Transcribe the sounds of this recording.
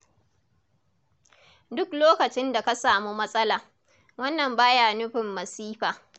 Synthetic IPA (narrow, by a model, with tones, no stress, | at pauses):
dʊ˦kloː˦kɐ˨t͡ʃɪ˦nda˨ka˦saː˨mu˦mɐ˦sʼɐ˦laː˨ | wɐ˦nːɐ˨mbaː˦jaː˦˨nʊ˦ɸɪ˨mːɐ˨siː˦ɸaː˨